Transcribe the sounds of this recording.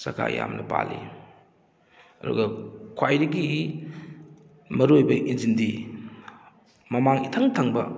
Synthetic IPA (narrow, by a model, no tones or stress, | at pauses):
sɐkʰa̰ja̰mnɐ̰pa̰li | ɐdṵɡɐkʰwajɾɐɡiɦi | mɐɾojbɐʔinzindi | mɐmaŋitʰɐŋtʰɐŋbɐ